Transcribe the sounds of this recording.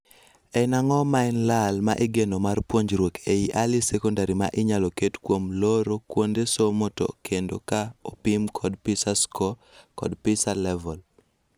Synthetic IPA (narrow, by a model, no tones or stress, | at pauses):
ɛnaŋɔmaɛnlalmaʔɪɡenomarpwoɲd͡ʒɾwokʰeiʔalisɛkɔndaɾima̰ʔɪɲalɔketkwomloɾokwondesomoto̰kʰendo̰kaopimkʰɔdpɪsaskʰɔ | kɔ̰dpɪsalɛvɔl